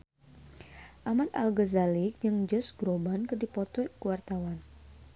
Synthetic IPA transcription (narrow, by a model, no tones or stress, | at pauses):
ʔamat̪̚a̰lɡəzalik̚d͡ʒɨŋd͡ʒɔsɡɾobankərdipɔt̪ɔkuwart̪awan